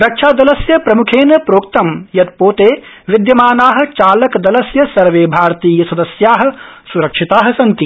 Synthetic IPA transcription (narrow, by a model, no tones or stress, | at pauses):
ɾɐkʃʰaːd̪ɐlɐsjɐpɾɐmukʰeːnɐpɾoːkt̪ɐmjɐt̪̚poːt̪eː | ʋɪd̪jɐmaːnaːɦɐ̆t͡ʃaːlɐkd̪ɐlɐsjɐsɐɾʋeːbʱaːɾt̪iːjɐsɐd̪ɐsjaːɦɐ̆suɾɐkʂit̪aːɦɐ̆sɐnt̪i